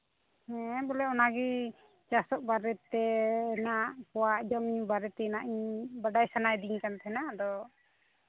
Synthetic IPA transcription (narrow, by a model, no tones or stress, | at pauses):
hɛbɔlɛɔnaɡi | t͡ʃasɔʔ̚baɾɛt̪ːɛnaʔpɔwaʔd͡ʒɔmiɲbaɾɛt̪ɛnaʔiɲbaɖajsanajd̪iɲkant̪ɛɛnad̪ɔ